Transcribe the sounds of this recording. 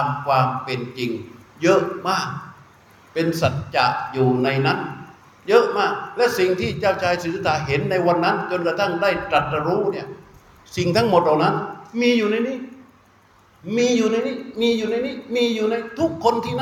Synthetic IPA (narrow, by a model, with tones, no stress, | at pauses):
mkʰwaː˧mpe˧nt͡ɕi˧ŋjɤ˦˥ʔmaː˥˩k̚ | pe˧nsa˨˩t̪̚t͡ɕa̰˨˩ʔjuː˨˩na˧jna˦˥˩n | jɤ˦˥ʔmaː˥˩k̚lɛ˦˥ʔsi˨˩ŋt̪ʰiː˥˩t͡ɕaː˥˩wt͡ɕʰaː˧jsɯː˨˩sɯ˦˥t̪ʰaː˨˩˦ɦe˩˦nːa˧jwa˧nːa˦˥nkɤ˧nka˧t̪ʰa˥˩ŋdaː˥˩jt͡ɕɾa˨˩t̪̚ɾa˧ɾuː˦˥ni˥˩ɐ | si˨˩ŋt̪ʰa˦˥ŋmo˨˩t̪̚laː˨˩wna˦˥nmiː˧juː˨˩na˧jniː˥˩˨ | miː˧juː˨˩na˧jniː˥˩miː˧juː˨˩na˧jniː˥˩miː˧juː˨˩na˧jt̪ʰu˦˥kʰːo˧nt̪ʰiː˥˩n˥